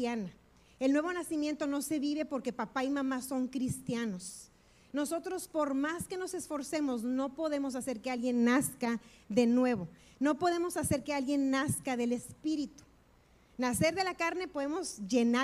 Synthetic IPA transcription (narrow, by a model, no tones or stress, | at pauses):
ana | e̞lnwe̞β̞o̞nasimjẽ̞nt̪o̞no̞se̞βiβe̞po̞ɾke̞papaimãmaso̞ŋkɾist̪jano̞s | no̞so̞t̪ɾo̞spo̞ɾmaske̞no̞se̞sfo̞ɾse̞mo̞sno̞po̞ðe̞mo̞s̬ase̞ɾkealɣje̞nːaska | ðe̞nwe̞β̞o̞ | no̞po̞ðe̞mo̞sase̞ɾke̞alɣje̞nːaskaðe̞le̞spiɾit̪u̥ | nase̞ɾðe̞lakaɾne̞po̞ðe̞mo̞zʝe̞na